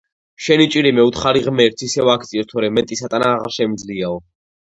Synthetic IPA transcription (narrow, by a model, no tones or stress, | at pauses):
ʃɛnit͡ʃʼiɾimɛut̪ʰχaɾiʁmɛɾt̪sʰisɛvakʰt̪sʼiɔst̪ʰɔɾɛmɛt̪ʼisat̪ʼanaːʁaɾʃɛmd̪zliaɔ